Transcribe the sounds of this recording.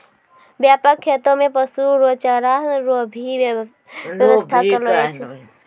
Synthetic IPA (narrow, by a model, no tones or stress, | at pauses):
bjapəkʰːet̪omẽpəsuɾot͡ʃaɾaɦɾobʱi | ʋjəʋəst̪ʰakəloet͡ʃʰe